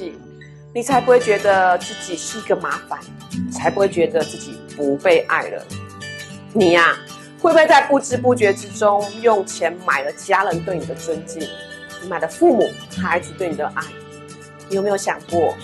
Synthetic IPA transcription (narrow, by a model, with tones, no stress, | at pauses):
i˨˩ | ni˨˩t͡sʰa˧˥ɪpu˧˥xwe˥˩ɪt͡ɕɥɛ˧˥d̪ə˧t͡sɹ̩˥˩t͡ɕi˨˩ʂɻ̩˥˩i˧˥ɡə˧ma˧˥fa˨˦n | i˨t͡sʰa˧˥ɪpu˧˥xwe˥˩ɪt͡ɕɥɛ˧˥d̪ə˧t͡sɹ̩˥˩t͡ɕi˨˩pu˧˦pe˥˧ɪʔa̰˥˩ɪlə̰˩˦ | ni˨˩a˧ | wpu˥we˥˧ɪt͡sa˥˧ɪpu˥˩ʈ͡ʂɻ̩˥pu˥˩t͡ɕɥɛ˧˥ʈ͡ʂɻ̩˥ʈ͡ʂʊ˥ŋjʊ˥˩ŋt͡ɕʰjɛ˧˥nma˨˩ɪlə˦t͡ɕja˥lə˧˥nkə˥˩ŋno˨˩d̪ə˦t͡swə˦˥nt͡ɕi˥˩n | ni˨˦ma˨˩ɪlə˦fu˥˩mu˨˩ | xa˧˥˧t̪we˥˩ɪni˨˩d̪ə˧˦ʔa˥˩ɪ | ni˨jo˨˩me˥jo˧ɕjɑ̰˨˩ŋkwɔ˥˩